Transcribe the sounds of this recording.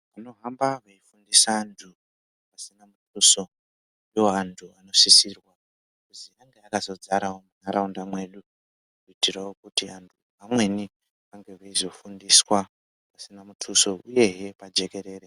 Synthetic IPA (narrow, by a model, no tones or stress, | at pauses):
ʋano̞ɦambaʋaifundisaːntʰu | pasinamutʰuːso̞ | iwo̞antʰuano̞sisirwa | kuziaŋɡe̞akazo̞d͡zaɾawomunaɾaundamwe̞ɗu | kuitirawokutiantʰu | ʋamwe̞ni | ʋaŋɡe̞ʋaizo̞fundiswa | pasinamutʰuso̞uje̞ɦepad͡ʒe̞ke̞ɾe̞ːɾe